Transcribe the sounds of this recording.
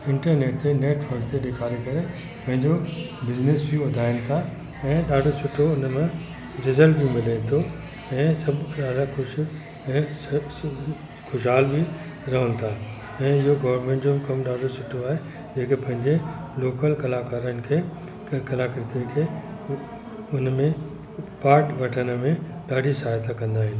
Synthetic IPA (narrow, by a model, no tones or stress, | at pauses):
ɪ̃ɳʈəɾneːʈ̚t̪eneːʈʋɐɾkt̪eɗekʰaːɾekɐɾe | pɐ̃ɦɪ̃ɲd͡ʑobɪznesbiʋɐd̪ʱaːɪnɪ̆t̪ʰa | ɛ̃ːɗaːɖʱosʊʈʰːoʊnmẽ | d͡ʑɪzəlbʱimɪlanɪt̪ʰo | ɛ̃ːsɐbɗaːɖakʊʃ | ɛ̃ː | xʊʃɦaːlbi | ɾɐɦənɪ̆t̪ʰaː | ɛ̃ːɪɦoɡɐʋəɾmẽːɳʈd͡ʑobɪkɐmɗaːɖʱosʊʈʰːoaːɦe | d͡ʑeːkepɐ̃ɦɪ̃ɲd͡ʑeloːkəlkɐlaːkaːɾənɪ̆kʰeː | kɐlaːkɪɾɪt̪ikʰeː | ʊnmẽ | paːɾʈʋɐʈʰənəmẽɗaːɖʱisaːjt̪akɐ̃nd̪aːɦɪnɪ̆